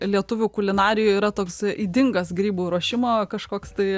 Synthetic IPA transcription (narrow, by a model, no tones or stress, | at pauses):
lʲiɛt̪ʊʋʲʊkʊlʲɪnɑːɾʲɪjʊiːɾɐt̪oːksiːd̪ʲɪŋɡɐsɡɾʲiːbuːɾuɔʃʲɪmoːkɐʃkoːkst̪ɐɪ